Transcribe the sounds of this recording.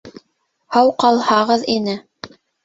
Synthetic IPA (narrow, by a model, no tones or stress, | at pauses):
hɑwqɑlˠhɑʁɤðinɘ